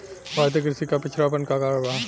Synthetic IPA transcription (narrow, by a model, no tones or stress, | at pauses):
bʱaːɾt̪̬ək̬ɾɪsikapɪt͡ʃʰɾapənkakaːɾəɽbaɦ